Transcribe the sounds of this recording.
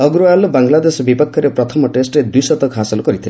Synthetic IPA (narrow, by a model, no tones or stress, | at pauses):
ɔɡɾoalɔbaŋlad̪esɔbipɔkʰːɔɾepɾɔt̪ʰɔmɔʈesʈɾed̪ujsɔt̪ɔkɦasɔlɔkɔɾit̪ʰile